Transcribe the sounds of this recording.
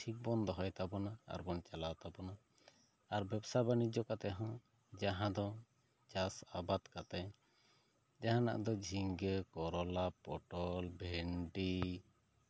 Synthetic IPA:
ʈʰik̚bɔnd̪ʱɔɦɔjt̪abɔnaa̰ɾbɔnt͡ʃalawt̪abɔna | aɾbɛbsabanid͡ʒɔkat̪ɛɦɔ̃ | d͡ʒaɦãd̪ɔ | d͡ʒasabat̪kat̪ɛ | d͡ʒaɦãna̰ʔd̪ɔd͡ʒʱiŋɡɛkɔɾɔlapɔʈɔlbʱɛɳɖi

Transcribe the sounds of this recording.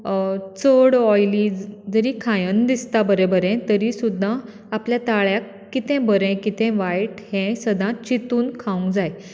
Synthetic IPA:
t͡səɽɔjliːd͡zd͡zəɾiːkʰãjənd̪ist̪abəɾẽbəɾɛ̃t̪əɾisud̪ʱːã | apljat̪aɭjakːit̪ɛ̃bəɾɛ̃kit̪ɛ̃ʋajʈhɛ̃səd̪ãt͡ɕit̪uːnkʰaũŋɡd͡zaj

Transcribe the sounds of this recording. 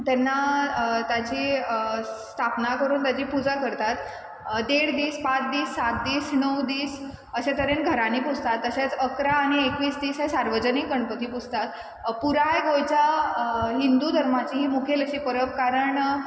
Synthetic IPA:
t̪ɛnːat̪ad͡ʑiːsst̪ʰapnakəɾuːnt̪ad͡ʑiːpud͡zakəɾt̪at̪ | d̪eɽd̪iːspat͡sd̪iːsːat̪̚d̪iːsnəwd̪iːs | əɕat̪əɾenɡʱəɾaniːpud͡zʱt̪at̪ːəɕat͡səkɾaːɽ̃iekʋiːt͡sd̪iːsɦasaɾʋəd͡ʑənikːəɳpət̪iːpud͡zʱt̪at̪ | puɾajɡojt͡ɕa | ɦind̪ud̪ʱəɾmat͡ɕiːɦiːmukʰeləɕiːpəɾəpkaɾəɳ

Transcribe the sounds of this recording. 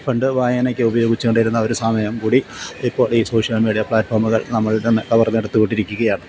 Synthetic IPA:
poɳɖɨʋaːjɐnokʲːɨubɐjo̞ːɡit͡ɕːukoɳɖɐjiɾunːɐoɾusaːmɐjɐmkuːɽiipːo̞ːɭiːso̞ːʂijɐlmiːɽijɐpɭaːʈfoːrmuɣɐɭnɐmːɐɭɽekɐʋɐrneɽɐt̪ːuko̞ɳɖiɾikʲːuɣɐjaːɳɨ

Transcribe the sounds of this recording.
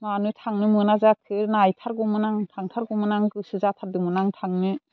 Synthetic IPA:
manɯtʰaŋnɯmɯnazakʰɯnajtʰaɾɡɔmɯnaŋtʰaŋtʰaɾɡɔmɯnaŋɡɯsɯzatʰaɾdɯmɯnaŋtʰaŋnɯ

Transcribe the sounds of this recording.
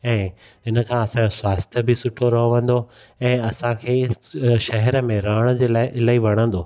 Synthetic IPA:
ɛ̃ː | ɦɪnə̆kʰãːɐsãɲoswaːst̪ʰəbɪsʊʈʰoɾɐɦoʋɐ̃n̆d̪oɛ̃ːɐsãkʰeːʃɐɦɛɾəmẽɾaːəɽ̃ə̆d͡ʑeːlaːɪʔɪlaːiʋɐɽ̃ə̃n̆d̪oː

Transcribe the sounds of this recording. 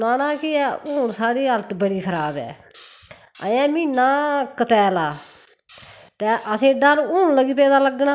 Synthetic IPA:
naːnãːkɪɛːʔʊːnsaːɽiːɦəlt̪bəɽiːkʰəɾaːbɛ̰ː | ə̰jãːmĩːnãːkət̪ɛːlaː | t̪ɛːʔəsẽːɖəɾũːnləɡiːpɛːd̪aːləɡnaː

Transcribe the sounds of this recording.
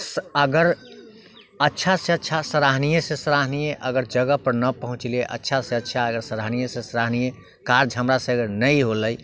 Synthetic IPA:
səɡəɾ | ətːʃʰaseətːt͡ʃʰasəɾaɦnijesẽsəɾaɦnijeʔəɡəɾd͡ʒəɡəpəɾnəpəɦũt͡ʃleʔə̰tːʃʰasẽətːt͡ʃʰaəɡəɾsəɾaɦnijesẽsəɾaɦnije | kaɾd͡ʒɦəmɾasəɡənəjɦoləj

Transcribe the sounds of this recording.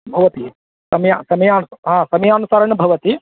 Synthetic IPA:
bʱɐʋɐt̪i | sɐmɐjaːsɐmɐjaːnusɦãːsɐmɐjaːnusaːɾɐɳɐbʱɐʋɐt̪i

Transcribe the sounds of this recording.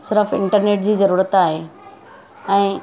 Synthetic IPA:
sɪɾəfɪ̃ɳʈəɾneːʈd͡ʑiːzɐɾuːɾət̪aːɦeː | ɛ̃ː

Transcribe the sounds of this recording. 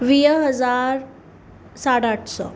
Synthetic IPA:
ʋiːɦəd͡zaɾ | saɽaʈʰsɔ̰

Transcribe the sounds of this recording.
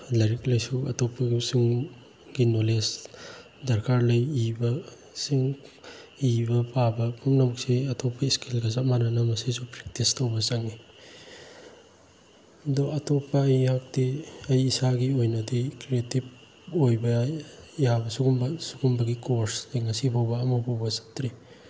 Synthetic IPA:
lɐjɾiklɐjsuɐ̰topʰːɐɡisuŋ | ɡinoles | dɐɾkʰaɾlɐjibɐ | siŋ | ibɐpabɐpʰumnɐmk̚siɐtʰopʰːɐiskilɡɐzamanɐnɐmɐsisupɾek̚tistɐwbɐt͡ʃɐŋːi | ɐdoʔɐtʰopːɐɐjhak̚tiɐjːsaɡiojnɐdikɾietib̚ | ojbɐjabɐsuɡumbɐsuɡumbɐɡikoɾsejŋɐsipʰowbɐːmɐpʰowbɐsɐ̥tɾi

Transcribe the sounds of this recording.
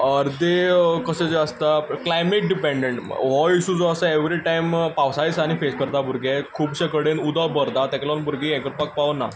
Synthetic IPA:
əɾd̪ekəsed͡zeəst̪aklajmeʈ̚ɖipẽɳɖeɳʈʋɔiɕud͡zoəsəeʋɾiʈajmpaʋsajsaɽ̃ifeskəɾt̪abʱuɾɡekʰuːbɕekəɽenud̪ɔbəɾd̪at̪ɛ̃klɔnbʱuɾɡĩɛ̃kəɾpak̚paʋnːa

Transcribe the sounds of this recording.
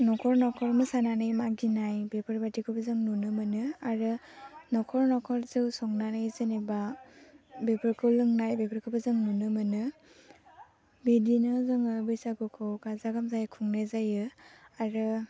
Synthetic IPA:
nɔkʰɔɾnɔkʰɔɾmɯsananɯjmaɡinajbepʰɯɾbatikʰɯbazɯŋnunɯmɯnɯaɾɯnɔkʰɔɾnɔkʰɔɾzɯwsɔŋnanɯjzɯniba | bepʰɯɾkʰɯwlɯŋnajbepʰɯɾkʰɯbazɯŋnunɯmɯnɯ | bidinɯzɯŋɯbɯjsakɯkʰɯwkazaɡamzajkʰuŋnazajɯaɾɯ

